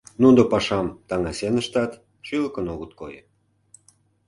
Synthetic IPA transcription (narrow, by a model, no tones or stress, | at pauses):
nud̪opɑʃɑmt̪ɑŋɑsenə̆ʃt̪ɑt̪ | ʃiləkənoɣət̪̚ko̰jə̰